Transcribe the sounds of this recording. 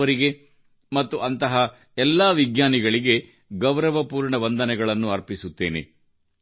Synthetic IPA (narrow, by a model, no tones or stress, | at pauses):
ɐɾiɡe̞ | mɐt̪ːuʔɐnt̪ɐɦɐ | ɛlːaːʋiɡɲaːniɡɐɭiɡe̞ | ɡɐwɾɐʋɐpuːɾɳɐʋɐnd̪ʱɐnɛɡɐɭɐnːuɐɾpisut̪ːe̞̰ːnḛ